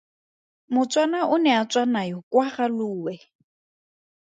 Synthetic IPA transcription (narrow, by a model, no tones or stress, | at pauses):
mʊt͡sʼwanaʔʊnɛat͡sʼwanajɔkʼwaχaluːwɛ